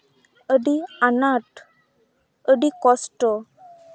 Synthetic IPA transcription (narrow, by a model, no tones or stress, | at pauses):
əɖianaʈ | əɖikɔsʈɔ